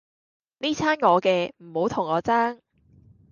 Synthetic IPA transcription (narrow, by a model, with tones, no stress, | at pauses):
niː˥t͡sʰaː˥nŋɔː˨˧kɛː˧m̩˨˩ho˨˧˥wt̪ʰʊ˨˩ŋːɔː˨˧t͡saː˥ŋ